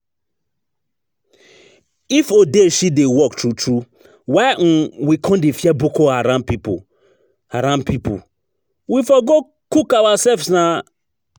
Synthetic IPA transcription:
ifodeʃidewɔktɹutɹu | waɪ̃wikʰɔ̃ndefiabukoaɾãpipṵ | aɾãnpipṵ | wifɔɡo | kukawasɛfsnã

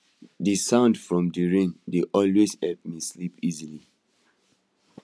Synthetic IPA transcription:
disãʊ̃ndfɹɔ̃mdiɹẽndeʔɔlwezhɛlp̚mislipizili

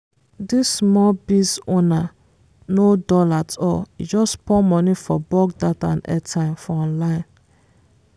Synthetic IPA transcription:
disːmɔbisona | nodɔlatɔ̰d͡ʒɔspɔmɔnifɔbɔɡdatã̰nɛ̰tʰãmfɔɔ̃nlaɪ̃n

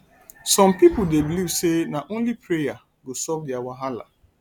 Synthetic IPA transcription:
sɔ̃mpipʊdebilivsenaʔõnlipʰɾeja | ɡosɔvdiawaɦala̰

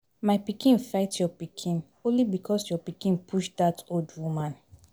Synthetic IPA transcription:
maɪpikĩnfaɪtjɔpikʰĩn | õnlibikʰɔsjɔpikĩnpʰuʃdatʰoldwumãn

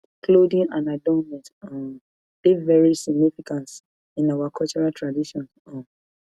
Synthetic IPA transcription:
kʰlodĩŋãnadɔnmɛ̃ntɔ̃ | b̥ivɛɹisiɡ̚nifikãnt | ĩnawakʰɔlt͡ʃɔɹaltʰɹadiʃɔ̃n | ɔ̃

